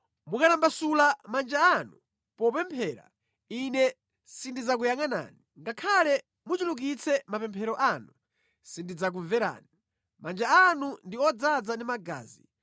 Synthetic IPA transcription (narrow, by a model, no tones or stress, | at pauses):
mukanambasulamand͡ʒaːnu | pɔpɛmpʰɛːɾa̰ | inɛ | sindid͡zak̬ujaŋana̰ːniŋɡakʰalɛ | mut͡ʃuluk̬it͡sʰɛmapɛmpʰɛɾɔʔanu | sindid͡zak̬uɱvɛɾa̰ːni | mand͡ʒaanundiɔd͡zad͡zandimaɡa̰ːzi